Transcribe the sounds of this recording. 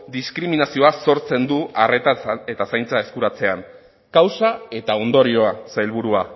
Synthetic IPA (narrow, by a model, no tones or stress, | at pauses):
d̪iskɾiminasio̞aso̞ɾt͡se̞nd̪uare̞t̪ae̞t̪asajnt͡sae̞skuɾat͡se̞an | kawsae̞t̪ao̞nd̪o̞ɾio̞asajlβ̞uɾua